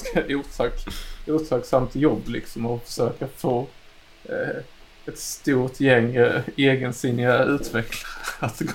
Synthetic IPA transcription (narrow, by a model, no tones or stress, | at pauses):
auːt̪ʰɑkʔuːt̪ʰɑɡsamt̪ʰjɔbːlɪ̰ksɔmɔfœ̥ʂøːkafoː | ɛt̪st̪uːɾʈ̪jɛŋːeːɡənsɪnːɪaʉ̟ːt̪vɛklaɾat̪ːɡ